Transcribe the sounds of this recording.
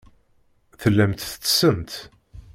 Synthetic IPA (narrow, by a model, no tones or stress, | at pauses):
θəlːæmt̪θə̥t͡sːə̥səmt̪